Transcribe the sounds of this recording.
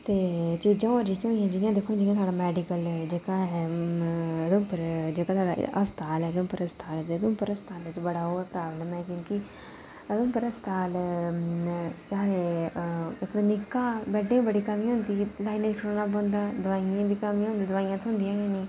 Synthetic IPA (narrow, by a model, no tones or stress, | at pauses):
t̪eːt͡ʃiːd͡ʒãːəɾd͡ʒikjõːiãːd͡ʒijãːd̪ekʰːõd͡ʒiːjãːt̪ʰwaːɽaːmɛːɖɪkəld͡ʒeːkãːɦɛː | əd̪oːpəɾd͡ʒeːkãːt̪ʰwaːɖa̰ʔəst̪ʰaːlɛːd̪õmpəɾəst̪ʰaːlɛt̪eːəd̪õːpəɾəst̪ʰaːlːt͡ʃbəɽaːɦoːɛːpɾaːbləmɛːkjõːkɪ | əd̪õːpəɾəst̪ʰaːl | kaː | ɪkd̪anɪkːaːbɛːɖẽːbəɽiːkəmĩɦʊ̃nd̪iːlaːinẽd͡ʒkɾoːnaːbə̃nd̪aːd̪ʊʋaːijãːd̪iːkəmĩãːɦʊ̃nd̪iːd̪ʊʋaːijãːt̪ʰɦʊ̃nd̪ijãːjãːniː